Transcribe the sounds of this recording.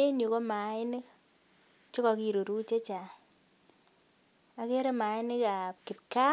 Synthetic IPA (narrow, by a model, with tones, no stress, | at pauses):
e˦no˨ko˦ma˨˦ɪ˦nɪ˦k | t͡ʃo˦kɔ˨ki˨ɾo˨ɾu˦t͡ʃe˦t͡ʃa˨ | a˨ke˦ɾe˦ma˨ɪ˦nɪ˦ka˨p̚kɪ˨pka˦